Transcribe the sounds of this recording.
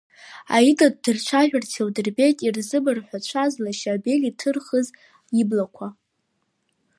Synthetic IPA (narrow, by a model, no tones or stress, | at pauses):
a̰idad̚dɨrt͡ʃʷʰaʒᶣartʰewdɨrbe̞jtʼirzɨbarħʷᶣat͡ʃʷʰazlaʃabe̞litʰɨrχəz | jiblakʷʰa